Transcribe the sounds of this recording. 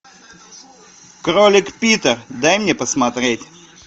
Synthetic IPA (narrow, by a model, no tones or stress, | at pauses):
kɾolʲɪkpʲit̪ərd̪ajmnʲepəsmɐt̪ɾʲetʲ